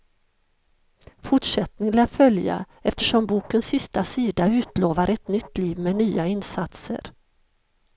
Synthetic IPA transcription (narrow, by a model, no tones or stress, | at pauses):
fʊʈʂɛt̪nɪŋlæːɾfœlja̰ | ɛft̪əʂɔmbuːkənsːɪst̪asiːd̪aʉ̟ːt̪loːvaɾʔɛt̪nʏt̪ːliːvmeːnyːaɪnsat̪sə̰ɾ